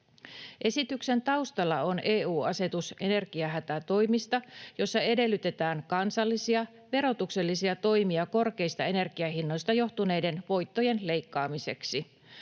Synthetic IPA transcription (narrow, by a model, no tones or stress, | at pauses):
ʔe̞sit̪ykse̞nt̪ɑwst̪ɑlːɑo̞neːuːɑse̞t̪usʔe̞ne̞rɡiɑɦæt̪æt̪o̞jmist̪ɑjo̞sːɑe̞de̞lːyt̪e̞t̪æːŋkɑnsɑlːisiɑ | ʋe̞ɾo̞t̪ukse̞lːisiɑt̪o̞jmiɑko̞rke̞jst̪ɑe̞ne̞rɡiɑɦinːo̞jst̪ɑjo̞ht̪une̞jde̞nʋo̞jt̪ːo̞je̞nle̞jkːɑːmise̞̰ksi